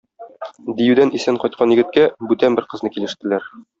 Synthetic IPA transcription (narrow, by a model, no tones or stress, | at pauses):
d̪ijʉd̪ænʔisæɴqɒjt̪̚qʰɑnjɘ̆ɡɘ̆t̪̚kæbʉt̪ænbɘɾqɤ̆znɤkilɘ̆ʃt̪ɘ̆læɾ